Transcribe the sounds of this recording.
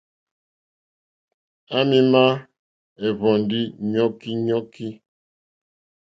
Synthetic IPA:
a˦mi˦ma˦ | ɛ˨βɔ˨n˨di˦ɲɔ˦ki˦ɲɔ˦ki˦

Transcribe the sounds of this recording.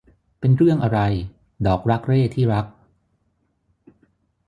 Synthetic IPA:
pe˧nɾɯ˥˩əŋʔa˧ɾa˧j | dɔː˨˩k̚ɾa˦˥k̚ɾeː˥˩t̪ʰiː˥˩ɾa˦˥k̚

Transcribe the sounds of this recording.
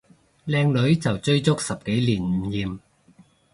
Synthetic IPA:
lɛː˧ŋlɵ˨˥ɥt͡sɐ˨wt͡sɵ˥ɥt͡sʊ˥k̚sɐ˨p̚ke˨˥jliː˨˩n̩˨˥jiː˨m

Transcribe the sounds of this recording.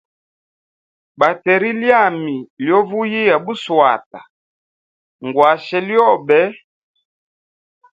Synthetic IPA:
ba˨tɛ˨ɾi˦lja˦˨mi˨ljɔ˦vu˦ji˦ja˨bu˦swa̰˨ta˨ | ŋɡwa˨ʃɛ˨ljɔ˦˨bɛ˦

